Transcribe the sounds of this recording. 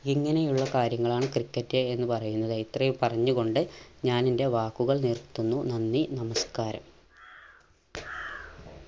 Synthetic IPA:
iŋːɐne̞juɭːɐkaːɾjɐŋːɐɭaːɳɨkrikːɐtːɨenːɨpɐrɐjunːɐðit̪rɐjumpɐrɐɲːuɣo̞ɳɖɨɲaːninde̞ʋaːkːuɣɐɭnirt̪ːunːunɐnːinɐmɐskaːɾɐ̰m

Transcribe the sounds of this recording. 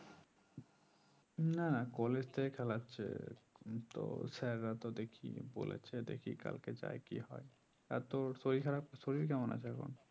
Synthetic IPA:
nanakɔled͡ʑt̪ʰekʰɛlatːɕʰḛ | t̪o̰sɛɾːat̪od̪ekʰḭbo̰lḛt͡ɕʰed̪ḛkʰika̰lked͡ʑa̰ekiɦɔe | a̰ɾt̪oɾsoɾikʰaɾap̚koɾsoɾiɾkɛmonʔa̰t͡ɕʰɛko̰n

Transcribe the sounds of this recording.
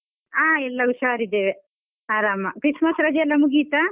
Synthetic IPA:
aːɛlːɐuʃaːɾid̪eːʋe | aːɾaːmɐkɾismɐsɾɐd͡ʒɛlːɐmuɡiːt̪a

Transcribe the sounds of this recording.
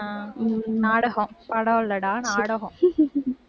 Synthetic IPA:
naːɽɐɣɔ̃pɐɽɐʋlːɐɽãːnaːɽɐɣɔ̃

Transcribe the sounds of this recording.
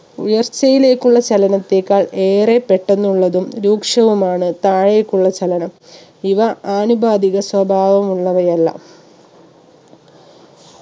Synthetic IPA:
ujɐrt͡ɕːɐjile̞ːkːuɭːɐt͡ɕɐlɐnɐt̪ːe̞ːkːaːɭe̞ːre̞pːe̞ʈːenːuɭːɐðumɾuːkʂɐʋumaːɳɨt̪aːɻeːkːuɭːɐt͡ɕɐlɐnɐm | iʋɐaːnubʱaːd̪iɣɐswɐbʱaːʋɐmuɭːɐʋɐjɐlːɐ̰

